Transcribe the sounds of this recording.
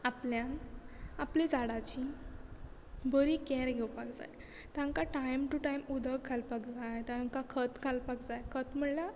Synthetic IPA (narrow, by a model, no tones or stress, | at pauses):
apljãnaplid͡zaɽat͡ɕi | bəɾikɛ̃ɾɡʱewpakd͡za̰j | t̪ãŋkaʈajmʈuʈajmud̪ʱəɡkʰːalpakd͡zajt̪aŋkakʰət̪kʰalpakd͡zajkʰət̪m̤əɽla